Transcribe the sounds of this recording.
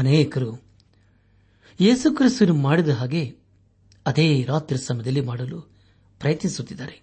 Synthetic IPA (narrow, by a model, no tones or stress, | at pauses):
ɐneːkɐɾu | je̞ːsukɾist̪ɐnumaːɽid̪ɐɦaːɡe̞ | ɐd̪eːɾaːt̪ɾiɾɐsɐmɐd̪ɐlːimaːɽɐlu | pɾɐjɐt̪nisut̪ːid̪ːaːɾe